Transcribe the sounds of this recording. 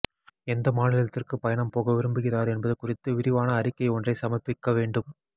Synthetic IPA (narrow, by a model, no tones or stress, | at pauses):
ɛnd̪ɐmaːnɪlɐt̪ːɪrkɯpɐjɐɳɐmpoːɣɐʋɪɾɯmbɯɣɪraːɾɛnbɐðɯkʊrɪt̪ːɯʋɪɾɪʋaːnɐːrɪkːɐɪɔndrɐɪsɐmɐpːɪkːɐʋeːɳɖɯm